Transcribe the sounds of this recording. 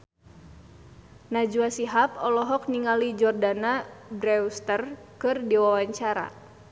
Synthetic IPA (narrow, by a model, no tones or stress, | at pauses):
nad͡ʒuasiɦapɔlɔɦɔk̚niŋalid͡ʒɔrdanabɾɛust̪ərkɨrdiwawaɲt͡ʃaɾa̰